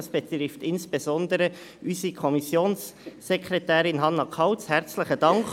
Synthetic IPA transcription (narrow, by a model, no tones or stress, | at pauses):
sb̥ɛt̪ɾɪftɪnsb̥ezɔndəɾə | ʔysikʰɔmisjoːnsː | ɛkʰɾetæːɾɪnɦɑnːɑkʰɑʊt͡shæɾt͡slɪχədɑŋk